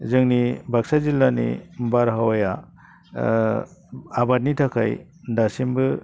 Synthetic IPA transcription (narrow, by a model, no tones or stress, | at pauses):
zɯŋnibʱak̚sazilːanḭbaɾɦawaja | abat̚nitʰakʰa̰j | dasimbɯ